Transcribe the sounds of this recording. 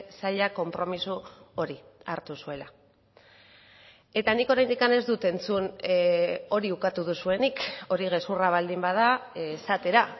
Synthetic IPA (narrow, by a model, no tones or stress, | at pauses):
saʎako̞mpɾo̞misuo̞ɾi | aɾt̪usue̞la | e̞t̪aniko̞ɾajnd̪ikane̞zd̪ut̪e̞nt͡sun | o̞ɾiukat̪uðusue̞niko̞ɾiɣ̞e̞suraβ̞ald̪imbaðasat̪e̞ɾa